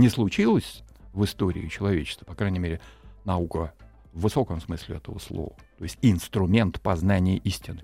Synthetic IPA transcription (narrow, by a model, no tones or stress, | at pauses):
nʲɪslˠʊt͡ɕilˠəsʲ | vɨst̪o̞ɾʲɪ̰ɪt͡ɕɪlˠɐvʲet͡ɕɪst̪və̥pɐkɾanʲɪmʲeɾʲɪnɐukə | vːɨso̞kəmsmɨsʲlʲɪ̰ɛt̪əvəslˠo̰vət̪o̞jɪsʲtʲɪnst̪ɾʊmʲe̞nt̪pɐznanʲɪjəʔisʲtʲɪnɨ